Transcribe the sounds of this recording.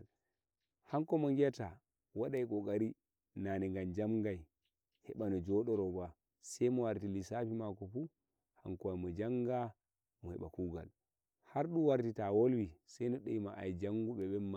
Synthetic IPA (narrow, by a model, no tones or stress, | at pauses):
haŋkɔmɔŋɡɛta | waɗajkɔɡaɾi | nanɛŋɡamd͡ʒamɡaj | hɛɓanɔd͡ʒɔɗɔɾɔba | sɛjmɔwaɾtilisafimakɔfu | haŋkɔajmɔd͡ʒaŋɡa | mɔhɛ̰ɓa̰kuɡa̰l | haɾɗuwaɾtitawolwisajnɔɗɛimaʔajd͡ʒaŋɡuɓɛɓɛmːa